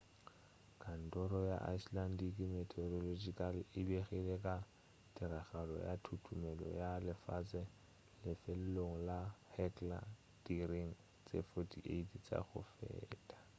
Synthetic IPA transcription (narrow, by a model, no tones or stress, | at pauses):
kʰʼan̩dɔɾɔja̰ʔaislandikʼimɛtʰʼɛorɔlod͡ʒikʼalɪɪbeχilɛkʼa | tʼɪɾaɣalɔ̰jatʰutʰumɛlɔ̰jalɪfat͡sʼɛ | lɪfelɛloŋ̩lahɛtʼla̰ | d̥iriŋ̩ | t͡sʼefotʰiʔeitʰt͡sʼa̰ɣʊ̰fɛ̰ːtʼḁ